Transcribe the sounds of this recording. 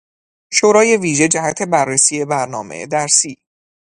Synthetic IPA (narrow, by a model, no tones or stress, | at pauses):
ʃoːɾɒːje̞viːʒe̞d͡ʒæhæt̪ʰe̞bærːesiːje̞bæɾnɒ̰ːmḛd̪æɾsiː